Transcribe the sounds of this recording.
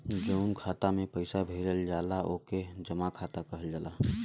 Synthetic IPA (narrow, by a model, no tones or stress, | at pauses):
d͡ʒoːnkʰaːt̪amẽpəɪsabʱeːɾəld͡ʒaːlaʔoːked͡ʒəmakʰaːt̪akəɦəld͡ʒaːlaː